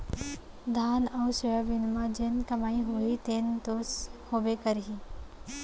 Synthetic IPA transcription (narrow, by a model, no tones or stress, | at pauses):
d̪ʱaːnɐwsəjəʋɪnmãd͡ʒenkɐmaːiɦoit̪eːnt̪oːshoːbekəɾɦi